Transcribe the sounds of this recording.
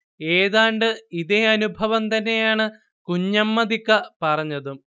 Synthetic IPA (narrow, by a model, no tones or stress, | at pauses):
e̞ːðaːɳɖɨiðeɐnubʱɐʋɐmt̪ɐnːe̞jaːɳɨ | kuɲːɐmːɐðikːɐpɐrɐɲːɐðum